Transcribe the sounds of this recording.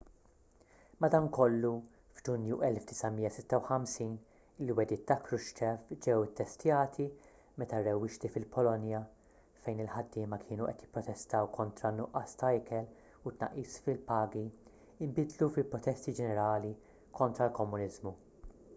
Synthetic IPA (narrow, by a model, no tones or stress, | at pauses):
mɐd̪ɐŋkɔlːu | fd͡ʒʊnjuʔɛlfd̪ɪsɐmiːjːɐsɪt̪ːɐwħɐmsiːn | lːiwɛd̪ɪːt̪ːɐkɾʊʃt͡ʃɛfd͡ʒɛwɪt̪ːɛst̪jɐːt̪ʰi | mɛt̪ɐrːɛwːɪʃt̪ifɪlpɔlɔnjɐ | fɛjnɪlħɐd̪ːɪːmɐkʰɪːnuʔɛt̪jɪpːɾɔt̪ɛst̪ɐwkʰɔnt̪ɾɐnːʊʔːɐst̪ɐɪkɛl | ʊt̪ːnɐ̰ʔːiːsfɪlpɐːɡi | ɪmbɪd̪lufɪlpɾɔt̪ɛst̪id͡ʒɛnɛɾɐːli | kʰɔnt̪ɾɐlkɔmːʊnɪzmu